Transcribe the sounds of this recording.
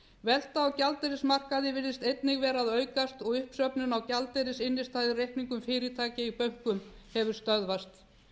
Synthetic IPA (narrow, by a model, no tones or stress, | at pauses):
vɛl̥t̪aːwcalt̪ejɾɪsmar̥kaðɪvɪɾðɪst̪ejt̪nɪɣvɛːɾaðœːɥkast̪ɔɣʏhpsœpnʏnawcalt̪ejɾɪsɪnːɪst̪ʰaːðɪrejhkniŋkʏmfɪːɾɪt̪ʰaːcɪipœɥŋ̥kʏmhɛvʏɾ̥st̪œðvast̪